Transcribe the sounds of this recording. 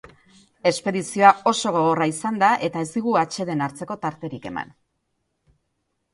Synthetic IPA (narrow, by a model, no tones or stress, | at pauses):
e̞spe̞ðisio̞ao̞so̞ɣ̞o̞ɣ̞o̞raisand̪aʔe̞t̪ae̞zd̪iɣuat͡ʃe̞ðe̞naɾt͡se̞ko̞t̪aɾt̪e̞ɾike̞ma̰n